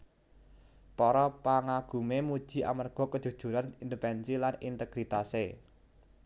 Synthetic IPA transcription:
pɔɾɔpaŋaɡ̥ṳmemud̥ʒ̥i̤ʔa̰marɡ̥ɔ̤kə̥ʒ̥ṳd̥ʒ̥ṳɾanind̪əpɛnsilanḭnt̪əɡ̥ɾit̪ase

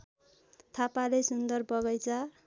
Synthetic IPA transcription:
t̪ʰapalesund̪ʌrbʌɡʌjt͡sʰʌ

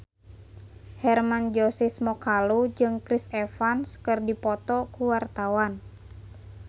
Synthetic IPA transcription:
hɛrmand͡ʒɔsismɔkalud͡ʒɨŋkɾisɛfanskɨrdipɔt̪ɔkuwart̪awan

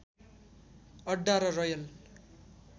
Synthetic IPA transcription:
ʌɖːaɾʌrʌjʌl

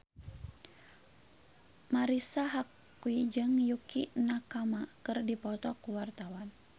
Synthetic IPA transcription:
maɾisaɦakː | uid͡ʒɨŋjukinakamakɨrdipɔt̪ɔkuwart̪awan

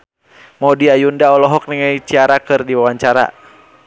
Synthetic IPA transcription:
mɔdiajundaɔlɔɦɔk̚niŋajt͡ʃiaɾakɨrdiwawaɲt͡ʃaɾa̰

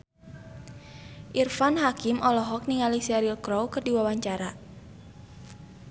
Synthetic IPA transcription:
ʔirfanɦakimʔɔlɔɦɔk̚niŋalisɛɾilkɾowkɨrdiwawaɲt͡ʃaɾa

